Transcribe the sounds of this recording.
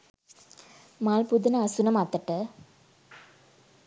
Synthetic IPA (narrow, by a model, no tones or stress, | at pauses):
maːlpud̪ɐnɐɐsunɐmaːt̪ːɐʈːɐ